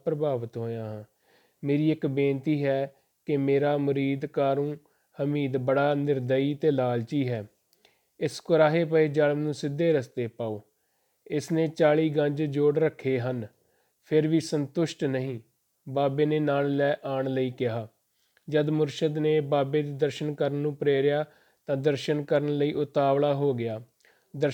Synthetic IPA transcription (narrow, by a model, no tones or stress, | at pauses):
pɾəbaːʋət̪ɦoːjãːɦãː | meːɾiːɪkbẽːnt̪iːɦɛː | kɪmeːɾaːmʊɾiːd̪kaːɾũː | həmiːd̪bəɽaːnɪɾd̪əiːt̪eːlaːlt͡ʃiːɦɛː | ɪskʊɾaːɦeːpəeːd͡ʒəlmnũːsɪd̪ʱːeːɾəst̪eːpaːoː | ɪsneːt͡ʃaːɭiːɡəɲd͡ʒd͡ʒoːɽɾəkʰːeːɦən | pʰɪɾʋiːsənt̪ʊʃʈnəɦĩː | baːbeːneːnaːllɛːʔaːɳləiːkɪɦaː | d͡ʒəd̪mʊɾʃəd̪neːbaːbeːd̪eːd̪əɾʃənkəɾənːũːpɾeːɾjaː | t̪ãːd̪əɾʃənkəɾəɳləiːʔʊt̪aːʋlaːɦoːɡɪjaː | d̪ə